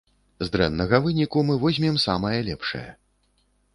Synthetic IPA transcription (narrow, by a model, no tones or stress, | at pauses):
zd̪ɾɛ̰nːɐɣɐvɨnʲikumɨvɔzʲmʲɛmsamɐjɐlʲɛpʂɐ̰jɐ̰